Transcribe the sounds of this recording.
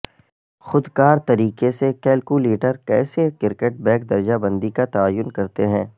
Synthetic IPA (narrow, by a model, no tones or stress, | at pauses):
xʊd̪kaːɾt̪ɐɾiːkesekɛːlkuleːʈəɾkɛːsekɪɾkeʈ̚bɛ̃ːkd̪ɐɾd͡ʒabɐ̃nd̪ikat̪ɐaːjːʊnkɐɾt̪eɦɛ̃ː